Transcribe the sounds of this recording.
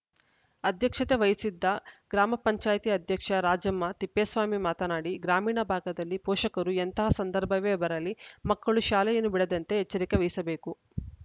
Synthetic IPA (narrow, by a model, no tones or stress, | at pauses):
ɐd̪ʱjɐkʂɐt̪eʋɐjisid̪ʱːɐɡ̥ɾaːmɐpɐɲt͡ʃaːjt̪iɐd̪ʱjɐkʂɐɾaːd͡ʒɐmːɐt̪ipːeːsʋaːmimaːt̪ɐnaːɽiɡɾaːmiːɳɐbʱaːɡɐd̪ɐlːipɔːʃɐkɐɾuent̪ɐɦɐsɐnd̪ɐɾbʱɐʋeːbɐɾɐlimɐkːɐɭuʃaːlɐjɐnubiɽɐd̪ɐnt̪eɦet͡ʃːɐɾikeʋɐjsɐbe̞ːku